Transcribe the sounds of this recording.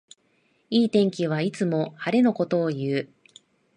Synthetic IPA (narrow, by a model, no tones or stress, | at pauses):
iːt̪ẽ̞ŋkʲiβ̞ait͡sɨmo̞haɾe̞no̞ko̞t̪o̞ːjɯ̟ː